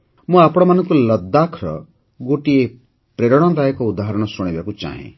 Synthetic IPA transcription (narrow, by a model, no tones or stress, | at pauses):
mũapɽ̃ɔmanɔ̃ŋkulʌd̪ːakʰɾɔ̰ | ɡoʈie | pɾeɾɔɽ̃ɔd̪ajekɔud̪aɦaɾɔɽ̃ɔsɔɽ̃ebakut͡ʃa̰ɦḛ̃